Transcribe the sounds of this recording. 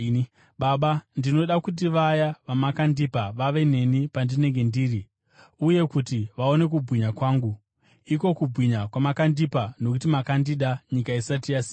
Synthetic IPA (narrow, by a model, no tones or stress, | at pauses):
ɓaɓandino̞ɗakut̬iʋajaʋamakandipaʋaʋe̞n̤e̞nipandine̞ŋɡe̞ndiːri | uje̞kutiʋao̞ne̞k̬ubwiɲakwaːŋɡu | iko̞kubʱwiɲakwamakandipano̞kutimakandiɗaɲikaisatijasiː